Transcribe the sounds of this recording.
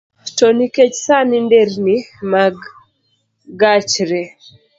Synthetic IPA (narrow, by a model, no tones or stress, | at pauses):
toniket͡ʃsanindeɾnimaɡ | ɡat͡ʃɾɛ